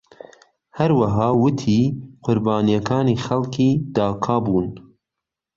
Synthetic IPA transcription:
hɐɾwɐɦɑːwʊt̪ʰiːqʰʊɾbɑːnijɛkʰɑːniːxɐlkʰiːd̪ɑːkʰɑːbuːn

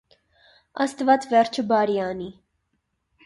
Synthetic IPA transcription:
ɑ̰st̪vɑt͡svɛɾt͡ʃʰəbɑɾiɑni

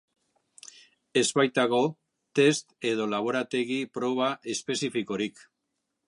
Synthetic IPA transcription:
e̞zβajt̪aɣo̞ | t̪e̞st̪e̞ð̞o̞laβ̞o̞ɾat̪e̞ɣipɾo̞β̞aʔe̞spe̞sifiko̞ɾik

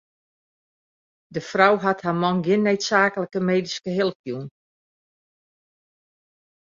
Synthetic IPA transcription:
dəfrawɦathamɔnɡɪnːeːtsaːkələkəmeːdiskəɦɪlˠəpjun

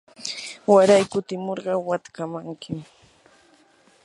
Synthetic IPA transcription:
waɾajkʊt̪ɪmoɾɢɑwat̪kamaŋkɪm

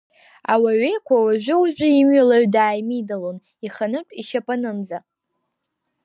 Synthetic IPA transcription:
a̰waɥejkʷʰawaʒᶣʷʊwuʒʷᶣʊimɥalaɥdaːjmidalon | iχanɨpʼiʃapʼanɨmd͡za

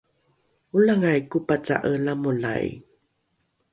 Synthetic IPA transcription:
ulaŋajkupat͡sa̰ʔəlamula̰j

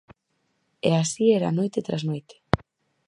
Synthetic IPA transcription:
ḛasiɛɾa̰nojt̪et̪ɾaznojt̪e̥

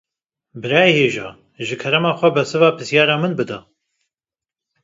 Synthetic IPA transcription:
bɨɾɑːjeheːʒɑ̰ː | ʒɨkʰɛɾɛmɑːxʷɛbɛsɨvɑːpʰɨsjɑːɾɑːmɨnbɨd̪a

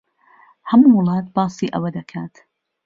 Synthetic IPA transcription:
hɐmuwʊlˠɑːt̪̚bɑːsˤiːʔɐ̰wɐd̪ɐkʰaːt̪

